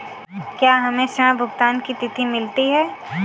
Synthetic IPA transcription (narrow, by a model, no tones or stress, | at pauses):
kjaːɦɐmẽʃə̃ãbʱʊɡt̪aːnkit̪ɪt̪ʰimɪlt̪iɦɛː